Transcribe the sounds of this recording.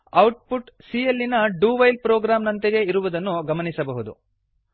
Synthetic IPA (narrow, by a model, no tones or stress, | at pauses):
ɐwʈ̚puʈsielːinɐɖuːʋɐjlpɾoːɡɾaːmnɐnt̪eɡe̞iɾuʋud̪ɐnːuɡɐmɐnisɐbɐɦud̪ṵ